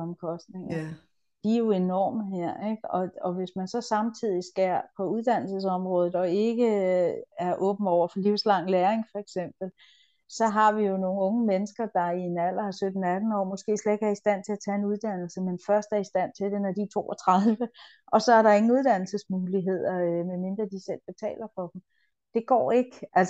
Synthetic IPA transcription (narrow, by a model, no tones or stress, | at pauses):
ɒmkʰɒ̽sd̥ne̝ŋɐ | d̥iæjo̝e̝nɒ̰ːməɦeɐ̰eɡ̥ɒ̽ɒ̽ʋe̝smænsɒ̽sɑ̈mt͡sʰið̞̰ˠisɡ̥æpʰɒ̽uðˠd̥æn̰l̩səsɒ̽mʁɔ̽ːð̩ˠɒ̽e̝ɡ̥ə | æɐʔɔ̽ːb̥n̩ɒʊ̰ɐfɒ̽liʊ̰slɑ̈ŋ̰leːeŋfɒ̽eɡ̥sem̰b̥l̩ | sɒ̽ɦɑ̈ʋijo̝no̝ːŋ̩ɔ̽ːŋəmenəsɡ̥ɐd̥ɑ̈ienæl̰ɐæsød̥n̩æd̥n̩ɒ̰ːmɒ̽sɡ̥e̝̰ːsle̥ɡ̥æɐisd̥æn̰t͡sʰe̝læt͡sʰɛe̝nuð̞ˠd̥æn̰l̩səmenfɶɐsd̥æɐisd̥æn̰t͡sʰe̝ld̥enæd̥it͡sʰo̝̰ːɒt͡sʰʁɑðˠʋə | ʔɒ̽sɒ̽æɐɾɑ̈e̝ŋŋ̩uð̞ˠd̥æn̰l̩səsmuːliɦe̝ð̞̰ˠɐmeme̝nd̥ʁɐd̥isel̰b̥e̝t͡sʰɛ̰ːlɐfɒ̽d̥m̩ | d̥e̝ɡ̥ɒ̰ːe̝ɡ̥əʔælsɐ